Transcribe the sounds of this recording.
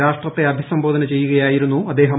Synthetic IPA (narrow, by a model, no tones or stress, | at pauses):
aːʂʈrɐt̪ːe̞ɐbʱisɐmbʱo̞ːd̪ɐnɐt͡ɕe̞jːuɣɐjaːjiɾunːuɐd̪ːeːɦɐ